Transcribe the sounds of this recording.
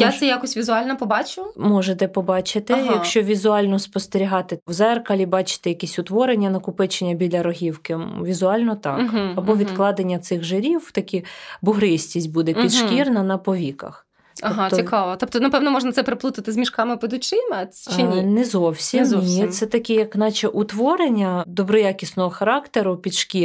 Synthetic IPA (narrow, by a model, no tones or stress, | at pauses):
jasɛjakɔsʲʋʲizʊɑlʲnɐpɔbɑt͡ʃʊmɔʒet̪ɛpɔbɑt͡ʃɪt̪ɪjɐkʃt͡ʃɔʋʲizʊɑlʲnɔspɔst̪eɾʲiɦɑt̪ɪwzɛrkɐlʲibɑt͡ʃɪ̥t̪ɛjɐkʲɛsʲʊt̪ʋɔɾenʲːɐnɐkʊpɪt͡ʃenʲːɐbʲilʲɐɾɔɦʲiwkɪm̰ʋʲizʊɑlʲnɔt̪ɑkɐbɔʋʲid̪klˠɑd̪enʲːɐt̪sɪxʒɪɾʲiwt̪ɐkʲibʊɦɾɪsʲtʲisʲtʲbud̪ɛpʲid̪ʃkkʲirnɐnɐpɔʋʲikɐ̰x | ɔɦɑt̪sʲikɑʋɔt̪ɔp̚t̪ɔnɐpɛwnɔmɔʒnɐt̪sɛpɾɪplˠut̪ɪt̪ɪzmʲiʃkɑmɪpɪd̪ʊt͡ʃɪmeinɛzɔwsʲimnʲisɛt̪ɐkʲɛjɐknɑt͡ʃɛʔut̪ʋɔɾenʲːɐd̪ɔbɾɔjɑkʲisnɔɦɔxɐɾɑkt̪eɾʊpʲid̪ʃkʲi